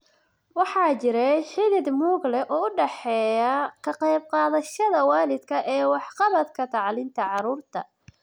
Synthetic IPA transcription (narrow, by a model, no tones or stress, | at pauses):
wɑħɑːt͡ʃɪɾɛħɪlɪd̪muːɡlɛʔɔːʊɖɛħɛːjɐkʰɐqɑjb̚qɑːðɐʃɐðɐwɑːlɪd̪kʰɐʔɛːwɑħqɑβɐd̪kʰɐt̪ʰɑʕlɪnt̪ʰɐʕɑɾuːrt̪ʰɐ̰